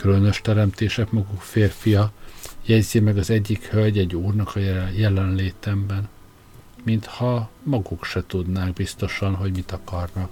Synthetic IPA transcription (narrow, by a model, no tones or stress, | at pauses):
kylø̞nø̞ʃt̪ɛɾɛmt̪eːʃɛkmɒɡukfeːrfijɒjɛɟzimɛɡɒzɛɟːikhølɟɛɟːuːrnɒkɒjjɛlɛnleːt̪ɛmbɛn | mint̪hɒmɒɡukʃɛt̪ud̪naːɡbist̪o̞ʃɒnɦo̞ɟmit̪ɒkɒrnɒk